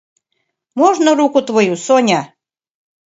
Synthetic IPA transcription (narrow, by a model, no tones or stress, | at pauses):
moʒnoɾukut̪βojusonʲa